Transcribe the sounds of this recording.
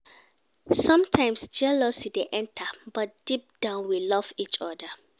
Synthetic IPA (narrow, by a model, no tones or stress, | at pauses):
sɔ̃mtʰãɪ̃msd͡ʒɛlɔsideʔɛ̃ntʰəbɔt̚d̥ip̚d̥ãʊ̃nwilɔvit͡ʃɔdə